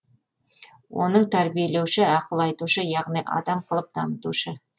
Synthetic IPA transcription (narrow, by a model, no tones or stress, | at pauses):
wʔo̞̰nəɴt̪ʰæɾbijele̞wʃɪɑqəlˠɑjt̪uʃəjɑʁnijʔɑ̰d̪ɑmqʰəlˠəp̚d̪ɑmət̪uʃə